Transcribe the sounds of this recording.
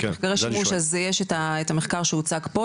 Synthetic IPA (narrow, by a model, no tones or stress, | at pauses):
kaʁeʃamuʃazjeʃetaet̪ameχkaʁʃeut͡saɡpo